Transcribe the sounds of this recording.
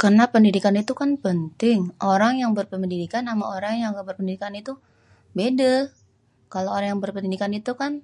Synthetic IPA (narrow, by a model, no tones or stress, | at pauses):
kərnapəndidikanit̪ukanpənt̪ɪŋʔoɾaŋjaŋbərpəməndidikanːama̰oɾaŋjaŋɡaʔbərpəndidikanit̪u | bedəl | kalooɾaŋjaŋbərpəndidikanit̪ukan